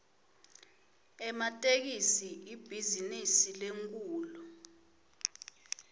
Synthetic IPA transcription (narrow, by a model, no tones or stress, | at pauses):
ɛmatʼek̬isiib̥ʱizinisileŋkʼuːlɔ